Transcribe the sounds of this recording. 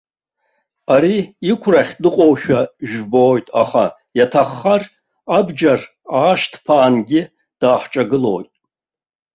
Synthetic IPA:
aɾiikʷʰraχʲdɨqʼowʃᶣaʒᶣboːjtʼa̰χa̰ | jatʰaχːar | abd͡ʒar | aːʃtʰpʰaːnɡʲɪ | d̥aːħt͡ʃʼaɡɨlo̞̰ːjtʼ

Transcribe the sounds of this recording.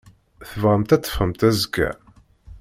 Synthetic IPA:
θəvʁəmt̪æt͡s̪ːə̥fhəmt̪æzəɡæ̰

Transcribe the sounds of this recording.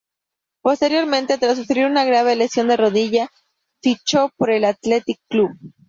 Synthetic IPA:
po̞st̪e̞ɾjo̞ɾmẽ̞nt̪e̞t̪ɾas̬ufɾiɾunaɣɾaβ̞e̞lesjo̞nd̪e̞ro̞ðiʝa | fit͡ʃo̞po̞ɾe̞lat̪le̞t̪ikːluβ

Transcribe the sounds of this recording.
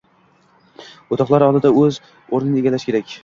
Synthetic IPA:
ot̪ʰɒqlˠaɾɒlˠd̪ɪd̪aɵz | oɾnɪnɪeɡʲalaʃkʲe̞ɾakʲ

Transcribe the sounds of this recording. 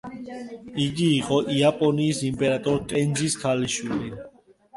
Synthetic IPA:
iɡiːqʼɔʔiapʼɔniːsimpʼɛɾat̪ʼɔɾt̪ʼɛnziskʰaliʃwili

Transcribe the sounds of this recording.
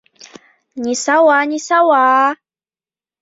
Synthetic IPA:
ɲɪsawaːɲɪsawaː

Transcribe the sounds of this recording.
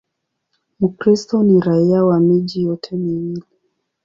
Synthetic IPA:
mukɾistɔniɾaiawamiʄijɔtʰɛmiŋili

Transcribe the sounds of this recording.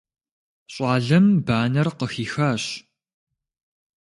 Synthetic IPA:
ɕʼɑːɮɐmbaːnɐrqəxiːxaːɕ

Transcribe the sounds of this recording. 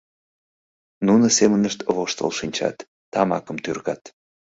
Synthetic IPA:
nunəsemənəʃt̪βoʃt̪ə̰lʃinʲt͡ɕɑ̰t̪ː | ɑmɑkəmt̪yrɣɑt̪

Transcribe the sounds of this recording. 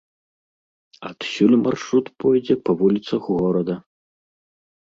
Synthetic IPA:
ɐt̪sʲulʲmʔa̰rʂɾut̪pɔjd͡zʲɛpɐvulʲit̪sɐxɣɔɾɐd̪ɐ

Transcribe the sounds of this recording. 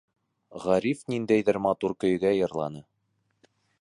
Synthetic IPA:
ʁɑɾifnind̪æjðɘɾmɑt̪uɾkɵ̆j̆ɡæjɤ̆ɾlˠɑ̰nɤ

